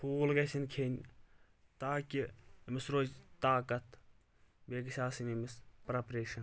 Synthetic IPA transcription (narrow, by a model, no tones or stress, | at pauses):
pʰuːlɡɐsʲinkʰeːnʲ | t̪aːkʲimɪsɾoːd͡ʒt̪aːkɐt̪ | beːɡʃʲaːsinimɪspɾɐpɾeːʃɐn